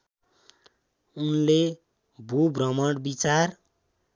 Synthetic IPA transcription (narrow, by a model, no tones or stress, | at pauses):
unle | bʱubrʌmʌɽbit͡sar